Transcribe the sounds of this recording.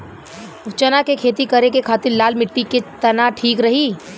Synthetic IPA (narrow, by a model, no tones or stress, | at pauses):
t͡ʃɐnakekʰeːt̪ikɐɾekekʰaːt̪ɪɾlaːlmɪʈːiket̪ɐnaʈʰiːkɾɐɦiː